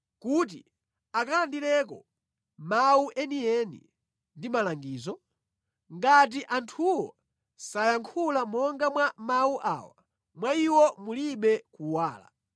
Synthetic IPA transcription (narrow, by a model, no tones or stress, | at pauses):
kut̬ḭ | akalandilɛk̬ɔ | mawuʔɛniɛnḭ | ndimalaŋɡiːzɔ | ŋɡat̬iʔantʰuwɔ | sajaŋkʰulamɔŋɡamwamawuʔa̰wa̰ | mwaiwɔmuliɓɛkuwaːla̰